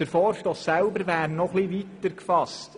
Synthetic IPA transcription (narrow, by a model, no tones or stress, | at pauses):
əɾfɔːɾʃtɔsːælbəɾʋæːɾnɔχliʋit̪ːəɾkfɑst